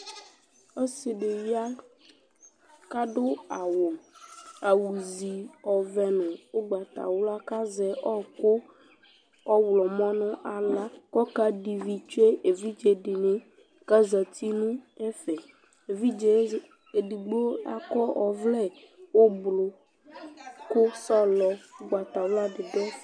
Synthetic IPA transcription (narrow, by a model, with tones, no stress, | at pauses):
ɔ˦si˨ɖe˨wi˦a˦ | ka˦ɖo˦a˨wo˨ | a˨wu˨zi˨ɔ˨vɛ˨nɛ̃˨wo˦ɡ͡ba˨t̪a̰˨wla˦ka˦zɛ˨ʔɔ˦ko˦ | ɔ˦wlɔ˨mɔ̃˦nɔ̃˦ʔa˨la˦kɔ˦ka˦ɖi˨vi˨t͡ʃu˦e˦ʔe˨vi˦d͡ʒe˨ɖɪ˨nẽ˦ | ka˦za˨t̪i˦nũ˦ɛ˦fɛ˨ | e˨vi˦d͡ʒɛ˨ | e˨ɖi˨ɡ͡bo˦o˦a̰˦kɔ˦ʔɔ˨vlɛ˦˨ | wo˦blo˨ | kʊ˦sɔ˦lɔ˨o˦ɡ͡ba˨t̪a˨wla˦ɖɪ˨ɖɔ˦